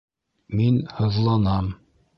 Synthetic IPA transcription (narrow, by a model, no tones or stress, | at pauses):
minhɤ̆ðlˠɑnɑm